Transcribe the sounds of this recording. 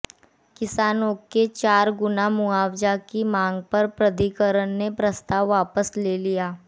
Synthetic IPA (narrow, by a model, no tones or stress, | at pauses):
kɪsaːnõket͡ʃaːɾɡʊnamʊaːwd͡ʒakimãːŋɡ̚pɐɾpɾəd̪ikəɾəɳnepɾəst̪aːʋːaːpəsleːlijaː